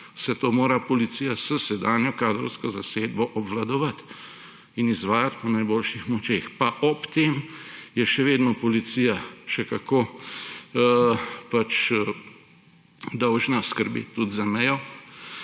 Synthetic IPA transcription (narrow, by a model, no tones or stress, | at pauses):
sɛt̪oːmoːɾapɔlit̪sijasəsɛd̪aːnjɔkaːd̪ɾɔ̰wskɔzaseːd̪bɔʔɔbʋlad̪ɔʋɐt̪ | inizʋaːjat̪pɔnajboːlʃixmɔt͡ʃeːxpaʔɔpt̪eːmjɛʃɛʋeːd̪nɔpɔlit̪siːjaʃɛkakoː | pat͡ʃ | d̪ɔwʒnaskəɾbḭːt̪t̪ːud̪zamɛjɔ